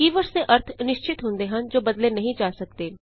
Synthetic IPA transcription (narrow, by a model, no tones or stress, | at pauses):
iːʋəɾseʔɐɾt̪ʰnɪʃt͡ʃɪt̪ɦõːnd̪eɦɐnd͡ʒoːbɐd̪lenɐɦĩd͡ʒaːsɐk̚t̪eː